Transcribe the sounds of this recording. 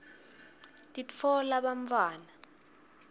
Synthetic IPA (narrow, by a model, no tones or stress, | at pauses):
tʼifʰɔlaɓaɱfaːna